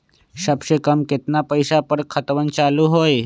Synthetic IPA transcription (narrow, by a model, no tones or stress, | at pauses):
sɐbʃekəmkɪt̪napəjsapəɾkʰət̪ʋənt͡ʃaːluɦoːj